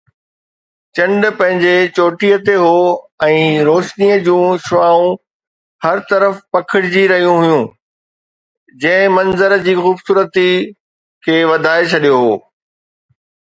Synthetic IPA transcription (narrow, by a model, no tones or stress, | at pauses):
t͡ɕɐ̃ɳɖ̆pɐ̃ɦɪ̃ɲd͡ʑet͡ɕoːʈijət̪eɦoːɛ̃ːɾoːʃniːəd͡ʑũːʃʊʋaːũ | hɐɾt̪ɐɾəfpɐkʰɪɽɪd͡ʑiɾɐɦijũɦʊjũː | d͡ʑɐ̃ɦɪ̃mɐ̃nzəɾd͡ʑiːxuːbsuːɾət̪i | kʰeːʋɐd̪ʱaːet͡ɕʰɐɗijoɦoː